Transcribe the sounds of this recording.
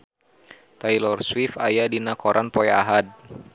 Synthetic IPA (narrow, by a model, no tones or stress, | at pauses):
t̪ajlɔrswifa̰jadinakɔɾʔanpɔjaɦad̚